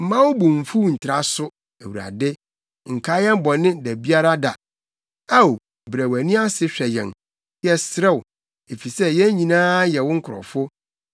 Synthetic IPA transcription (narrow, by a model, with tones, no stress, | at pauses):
m̩˨mã˦wʊ˦bʊ̃˨m̩˨fu˦n̩˨tʰɪ˨ɾa˦sʊ˦ | æ˨wu˨ɾa̰˨dɪ˦ | ŋ̩˨kʰa˦jɛ̃˦m˦bɔ˨nɪ̃˦dæ˨bi˦a˦ɾa˦da˨ | a˦o˨ | bɾæ˨wæ˨nĩ˦a˦sɪ˦ɕᶣɛ˨jɛ̰̃˨n | jɛ˨sɾɛ˦w | e˨fi˨sɛ˦jɛ̃˦ɲĩ˨nãː˦jɛ˨wʊ̃˦ŋ̩˦kʰʊ˨ɾɔ̰˨fʊ˦